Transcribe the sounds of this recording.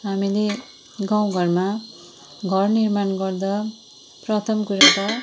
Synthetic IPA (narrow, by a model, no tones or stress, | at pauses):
ɦamile | ɡaw̃ɡʱʌrma | ɡʱʌrnirmanɡʌrd̪ʌ | prʌt̪ʰʌmkuɾak̪ʌ